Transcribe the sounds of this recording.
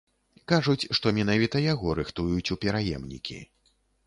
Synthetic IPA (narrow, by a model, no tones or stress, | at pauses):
kaʐut͡sʲʂt̪ɔmʲɛn̪avʲit̪ɐjaɣɔɾɨxt̪ujut͡sʲupʲɛɾajɛ̰mnʲḭkʲḭ